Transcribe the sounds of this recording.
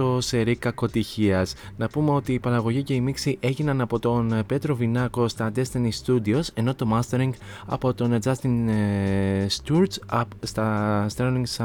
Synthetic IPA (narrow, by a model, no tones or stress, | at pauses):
ose̞ɾikɐko̞t̪içiɐsnɐpume̞o̞t̪iːpɐɾɐɣo̞ʝice̞imiksiʔe̞ʝinɐnɐpo̞t̪o̞npe̞t̪ɾo̞vinɐko̞st̪ɐd̪e̞st̪enist̪ud̪io̞se̞no̞t̪o̞mɐst̪e̞ɾiŋɡ | ɐ̰po̞t̪o̞ned͡zɐst̪in | st̪uɾsɐ | st̪ɐst̪ɾeliŋɡs